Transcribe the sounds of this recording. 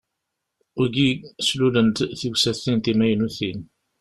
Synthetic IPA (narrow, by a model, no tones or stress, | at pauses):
ʊɾɡislulənt̪θiwsæθint̪imæjnuθin